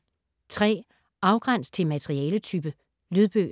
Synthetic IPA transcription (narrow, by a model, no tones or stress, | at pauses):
t͡sʰʁɛ̰ː | ɑ̈ʊɡ̥ʁan̰st͡sʰe̝lmæt͡sʰeʁiɛːlət͡sʰyb̥ə | lyðˠb̥ø̰ː